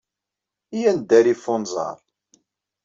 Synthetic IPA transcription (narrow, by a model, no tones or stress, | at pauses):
ijænd̪æɾifʊnzˤɑ̰ɾˤ